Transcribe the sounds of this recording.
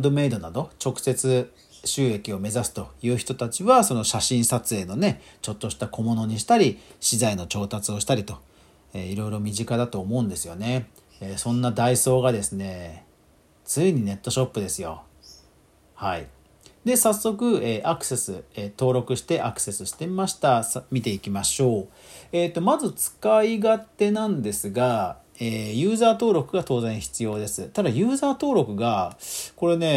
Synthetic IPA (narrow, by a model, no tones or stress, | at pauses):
d̪o̞me̞id̪o̞nad̪o̞t͡ɕo̞kɯ̟̥se̞t͡sɨ | ɕɨːe̞kʲio̞me̞zasɨ̥t̪o̞jɯ̟ːçi̥t̪o̞t̪at͡ɕiβaso̞noɕaɕĩɰ̃sat͡sɨe̞ːno̞ne̞t͡ɕo̞t̪ːo̞ɕi̥t̪ako̞mo̞no̞ɲ̟iɕi̥t̪aɾʲiɕizaino̞t͡ɕo̞ːt̪at͡sɨo̞ɕi̥t̪aɾʲit̪o̞ | eiɾo̞iɾo̞mʲiʑikad̪at̪o̞ːmo̞ɯ̃nd̪e̞sɨjo̞ne̞ | sõ̞nːad̪aiso̞ːɡad̪e̞sɨne̞ | t͡sɨiɲ̟ine̞t̪ːo̞ɕo̞pːɯ̟d̪e̞sɨjo̞ | hai | d̪e̞sasːo̞kɯ̟eːʔakɯ̟̥se̞sɨet̪o̞ːɾo̞kɯ̟ɕi̥t̪e̞ʔakɯ̟̥se̞sɨɕi̥t̪e̞maɕi̥t̪asmʲit̪e̞ikʲimaɕo̞ː | e̞ːt̪ːo̞mazɨt͡sɨ̥kaiɡat̪e̞nãnd̪e̞sɨɡa | eːjɯ̟ːzaːt̪o̞ːɾo̞kɯ̟ɡat̪o̞ːzẽ̞ɰ̃çi̥t͡sɨjo̞ːd̪e̞sɨt̪ad̪ajɯ̟ːzaːt̪o̞ːɾo̞kɯ̟ɡako̞ɾe̞ne̞